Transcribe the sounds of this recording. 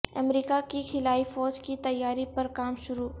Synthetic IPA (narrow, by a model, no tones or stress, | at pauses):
ɐ̰mɾiːkakikʰɪlaːifɔːd͡ʒkit̪ɐjːaːɾipɐɾkaːmʃʊɾuː